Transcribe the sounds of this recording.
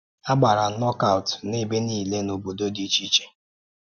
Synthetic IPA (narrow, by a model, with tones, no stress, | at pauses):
a˦ɡ͡ba˨ɾa˨˦nɔ˦ka˦˨wtne˦be˦niː˦˨le˦no˨bo˨do˦di˦t͡ʃi˦t͡ʃe̥˦